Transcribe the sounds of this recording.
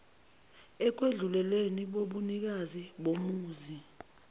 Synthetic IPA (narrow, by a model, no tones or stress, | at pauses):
ɛk̬weɮulɛleniɓoɓunik̬aziɓomuːzi